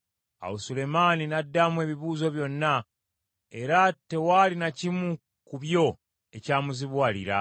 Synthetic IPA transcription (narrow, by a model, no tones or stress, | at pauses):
a̰usule̞maːninadːamwe̞βiβuːzo̞βjo̞nːa | e̞ɾate̞waːlinacimu | kuβjo̞ | e̞caːmuziβwaːlḭɾa̰